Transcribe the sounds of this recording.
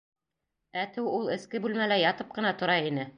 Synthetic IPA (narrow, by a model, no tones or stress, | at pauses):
æt̪ɘwulˠɘ̆skɘbʉlmælæjɑt̪ɤp̚qɤ̆nɑt̪ŏɾɑinɘ